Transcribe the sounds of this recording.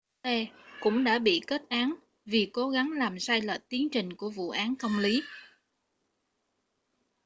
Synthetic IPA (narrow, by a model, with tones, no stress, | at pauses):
e˧kʊ̰˧˥ŋ͡mɗa̰ː˧˥ɓḭ˧˨ke˦˥t̚ʔaː˨˦n | vi˨˩ko˨˦ɣa˨˦ŋlaː˨˩msaː˧jlə̰˧˨˩t̚t̪i˨˦əŋt͡ɕï˨˩ŋ̟ku˧˩əvṵ˧˨ʔaː˨˦nkə˧wŋ͡mli˨˦